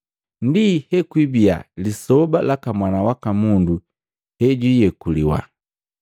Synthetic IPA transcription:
ndihɛkwibia̰lisɔbalakamwanawakamundu | hɛɟwijɛkuliwa̰

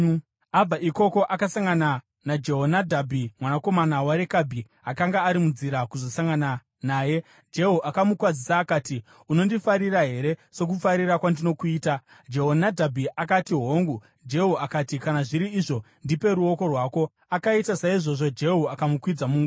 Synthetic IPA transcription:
ab͡vaʔiko̞ko̞ʔakasaŋɡana | nad͡ʒe̞ɦonadʱabʱimwanako̞manawaɾe̞kabʱi | akaŋɡaːɾimunziɾakuzo̞saŋɡana | naːje̞ | d͡ʒe̞ɦuʔakamukwad͡zisaːkaːti | uno̞ndifaɾiraɦe̞ɾe̞so̞k̬ufaɾirakwandino̞kuiːta | d͡ʒe̞ɦonadʱabʱiʔakatiɦo̞ːŋɡu | d͡ʒe̞ɦuakatikanaʐiɾiːʐo̞ | ndipe̞ɾuo̞ko̞rwaːko̞ | akaitasaiʐo̞ʐo̞d͡ʒe̞ɦuakamukwid͡zamuːŋɡ

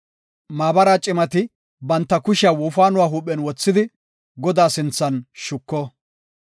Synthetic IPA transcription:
maːbɐɾaːt͡ʃʼɪmɐt̪ɪ | bɐnt̪ːɐkʊʃɪaːwɔːfaːnʊwaːɦuːpʼːɛnwɔt͡sːɪd̪ɪ | ɡɔd̪aːsɪnt͡sːɐnʃʊkːɔ

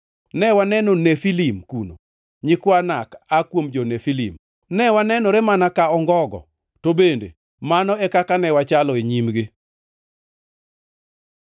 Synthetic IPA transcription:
nɛwanɛnonefilimkuno̰ | ɲɪkwanakakwomd͡ʒɔnefilḭm | nɛwanɛnɔɾemanakaɔŋɡɔɡɔ̰ | tobendḛ | manɔɛkakanɛwat͡ʃalɔeɲimɡi

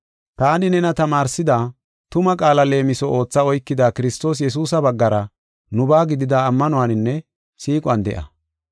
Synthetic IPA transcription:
t̪aːnɪnɛnɐt̪ɐmaːɾsɪd̪aː | t̪ʊmɐkʼaːlɐle̞ːmɪsɔʔo̞ːt͡sːɐɔjkːɪd̪aːkɪɾɪst̪o̞ːs̬jɛs̬uːsɐbɐɡːɐɾɐ | nʊbaːɡɪd̪ɪd̪aːmːɐnʊwaːnɪnːɛ | siːkʼʊɐnd̪ɛ̰ʔɐ̰

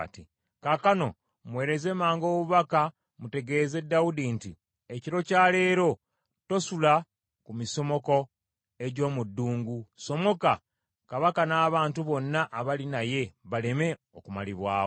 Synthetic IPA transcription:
ti | kakano̞ | mwe̞ːɾe̞ze̞maːŋɡo̞ːβuβaka | mute̞ɡe̞ːze̞dːawudinti | eciɾo̞caːle̞ːɾo̞ | to̞sula | kumiso̞mo̞ko̞ | e̞ɟo̞ːmudːuːŋɡuso̞mo̞ka | kaβakanaːβaːntuβo̞nːaʔːβalinaje̞βale̞me̞ | okumaliβwaːo

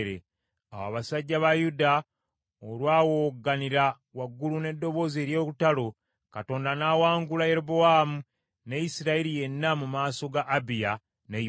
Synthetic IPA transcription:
ɾḛ | a̰wa̰βasaɟːaβajuda | olwaːwo̞ɡaniɾa | waɡːulune̞dːo̞βo̞ːzie̞ɾjo̞ːkutalo̞ | kato̞ːndanaːwaːŋɡulaje̞ɾoboamu | nejisiɾaiɾije̞nːamumaːso̞ɡaʔːbija | ne

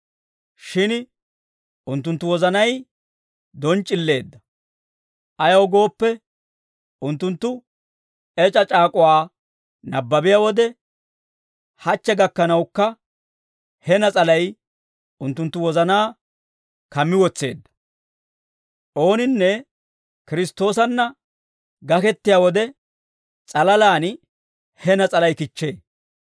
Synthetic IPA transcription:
ʃɪn | ʔʊnt̪ːʊnt̪ːʊwɔzɐnɐj | d̪ɔnt͡ʃʼːɪlːe̞ːd̪ːɐ | ʔɐjɐwɡo̞ːpːɛ | ʊnt̪ːʊnt̪ːʊ | ɛt͡ʃʼɐt͡ʃʼaːkʼɔwaː | nɐbːɐbɪjawɔd̪ɛ | hɐt͡ʃːɛɡɐkːɐnɐwkːɐ | hɛnɐt͡sʼɐlɐj | ʊnt̪ːʊnt̪ːʊwɔzɐnaː | kɐmːɪwɔt͡sːe̞̰ːd̪ːɐ̥ | ʔo̞ːnɪnːɛ | kɪɾɪst̪ːo̞ːs̬ɐnːɐ | ɡɐkɛt̪ːɪjawɔd̪ɛ | t͡sʼɐlɐlaːn | hɛnɐt͡sʼɐlɐjkɪt͡ʃːe̞ː

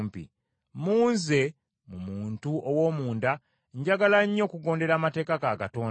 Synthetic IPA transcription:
mpḭ | muːnze̞ | mumuːntuowo̞ːmuːnda | ɲɟaɡalaɲːo̞ːkuɡo̞ːnde̞ɾaːmate̞ːkakakato̞ːn

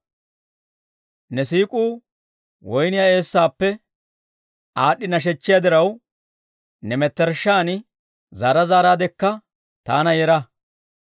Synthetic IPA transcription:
nɛsiːkʼuː | wɔjnɪjaːe̞ːsːaːpːɛ | aːɗːɪnɐʃ̬ɛt͡ʃːɪjad̪ɪɾɐw | nɛmɛt̪ːɛɾʃːaːn | zaːɾɐzaːɾaːd̪ɛkːɐ | t̪aːnɐjɛɾɐ

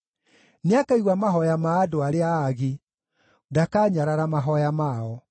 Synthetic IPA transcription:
neakaiɣwamaɦɔjamaːdoaɾeaːɣi | dakaːɲaɾaɾamaɦɔjamaɔ

